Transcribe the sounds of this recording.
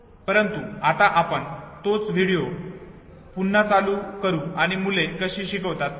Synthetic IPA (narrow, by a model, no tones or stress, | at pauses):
pəɾənt̪uat̪aʔapəɳt̪ot͡sʋ̤ʱiɽijo | punːat͡saluːkəɾuːaɽ̃imulekəɕiːɕikəʋt̪at̪̚